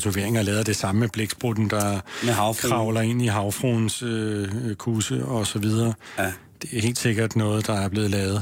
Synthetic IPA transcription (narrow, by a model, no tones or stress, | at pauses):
t͡sʰuʋe̝ɐeŋɐlɛːðˠd̥e̝sɑ̈məəb̥leɡ̥sb̥ʁod̥n̩d̥ɑ̈ | kʰʁɑ̈ʊlɐe̝n̰iɦɑ̈ʊfʁon̩søkʰuːsəɒ̽sɒ̽ʋið̞ˠɐː | d̥e̝æhe̝̰ːld̥se̝ɡ̥ɐd̥nɔ̽ːð̞̩ˠd̥ɑ̈æɐb̥le̝ːð̞̩ˠlɛːʊð̞̩ˠ